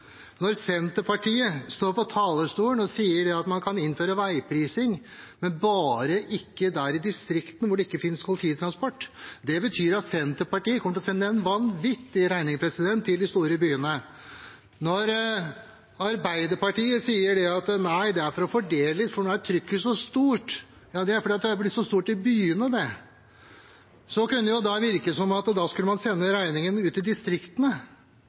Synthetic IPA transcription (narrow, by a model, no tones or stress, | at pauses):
nɔɾsɛnt̪əpɑʈiːəst̪oːɾpɔt̪ʰɑːləʂt̪uːəɳɔsiːəɖɛɑt̪mɑnkʰɑnɪnføːɾəʋæɪpʰɾiːsɪŋ | mɛnbɑːɾəʔɪkːəd̪æɾɪd̪ɪst̪ɾɪkt̪n̩ʋʊɖɛɪkːəfɪnskʰʊlɪt̪ʰiːt̪ʰɾɑnspɔʈːd̪ɛbət̪ʰyːɾɑt̪sɛnt̪əpɑʈiːəkʰɔməʈ̪ɔsɛnːəɛnʋɑnʋɪt̪ːɪɾæɪnɪŋpʰɾɛsɪd̪ɛnt̪ʰːɪld̪ɪst̪uːɾəbyːənə | nɔɾ | ɑɾbæɪd̪əɾpɑʈiːəsiːəɖɛɑt̪næɪd̪ɛæɾfɔɾɔfɔɖeːləlɪt̪ːfɔɳnoæt̪ʰɾʏkːəsɔst̪uːʈ | jɑːd̪ɛæɾfɔɾɖiːt̪d̪ɛhɑblɪt̪ːsɔst̪uːʈɪbyːənəd̪ɛ | sɔkʉnːəjʊd̪ɑʋɪɾkəsɔmɑt̪d̪ɑːskʉlːəmɑnsɛnːəɾæɪnɪŋənʉːt̪ɪd̪ɪst̪ɾɪkt̪ənə